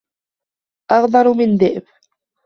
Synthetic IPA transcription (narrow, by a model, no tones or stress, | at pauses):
ʔɑɣd̪ˤɑɾˤmɪnd̪ɪʔb